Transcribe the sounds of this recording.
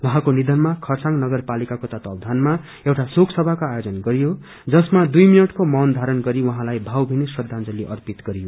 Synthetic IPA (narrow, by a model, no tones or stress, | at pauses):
wuɦãkonid̪ʱʌnmakʰʌrsãŋnʌɡʌrpalikakot̪ʌt̪ʌb̚d̪ʱanma | ewʈasoksʌbʱakoajod͡zʌnɡʌɾijo | d͡zʌsmad̪ujminʌʈkomʌnd̪ʱaɾʌnɡʌɾiwʌɦãlajbʱawbʱinesrʌd̪ʱãnd͡zʌliʔʌrpit̪ɡʌɾijo